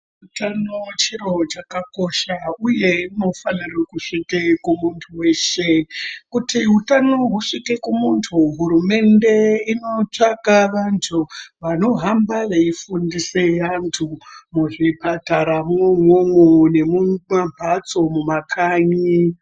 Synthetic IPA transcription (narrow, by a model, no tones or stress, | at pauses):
utanot͡ʃiro̞t͡ʃakako̞ʃauje̞ino̞fanirakuʂikekumuntʰuwe̞ʃe̞kutiɦutano̞ɦuʂikekumuntʰuɦuɾume̞nde̞ino̞t͡ʂaɡaʋantʰuʋano̞ɦambaʋeifundiseantʰumuʐipataɾamuŋoŋone̞mumabʱat͡so̞mumakʰaɲi